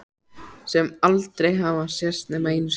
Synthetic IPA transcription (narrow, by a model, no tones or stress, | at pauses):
sɛmalt̪ɾejɦavasjɛr̥st̪nɛmeːjns